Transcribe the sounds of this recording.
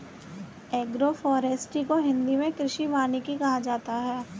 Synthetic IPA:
ɛːɡɾofɔːɾeːsʈikoɦɪ̃nd̪imẽkɾɪʃibaːnekikɐɦad͡ʒaːt̪aɦɛː

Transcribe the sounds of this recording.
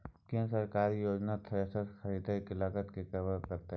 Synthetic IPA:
kẽsəɾkaːɾijoːd͡ʒnat̪ʰəesəɾxʰəɾid̪ʱakɪlaːkət̪kekəbəɾkɐɾt̪aɦ

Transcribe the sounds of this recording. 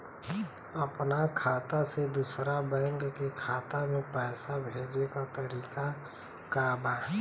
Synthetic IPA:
əpnakʰaːt̪ased̪usɾabɛŋɡkekʰaːt̪amẽpɛːsabʱeːd͡ʒekat̪əɾiːka | kaba

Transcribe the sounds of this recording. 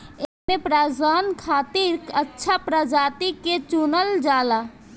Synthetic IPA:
emepɾaːd͡ʒaːnkʰaːt̪iɾkətːʃʰapɾad͡ʒaːt̪iket͡ʃunəld͡ʒaːla

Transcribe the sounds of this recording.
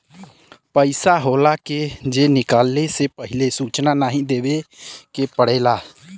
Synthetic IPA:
pəɪsaɦoːlaked͡ʒenɪkaːlːesepəɦɪlesuːt͡ʃnanaɦĩd̪eːwekepəɽeːlaː

